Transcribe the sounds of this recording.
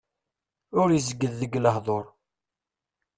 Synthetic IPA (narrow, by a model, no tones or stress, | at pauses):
ʊɾjəzəɡːəðːəɡləhðˤoɾˤ